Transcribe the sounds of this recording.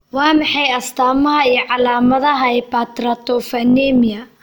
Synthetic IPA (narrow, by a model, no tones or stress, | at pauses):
waːmɪħɛjɐst̪aːmɐɦɐiɔʕalaːmɐðɐɦɐɛpat̪ɾɐt̪ɔfɐnɛmijɐ